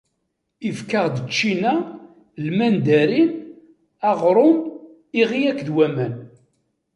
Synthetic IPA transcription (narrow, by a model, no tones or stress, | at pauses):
ifkaʁd̪ət͡ʃːinæ | lmænd̪æɾin | æʁɾˤʊn | iʁijækðwæmæn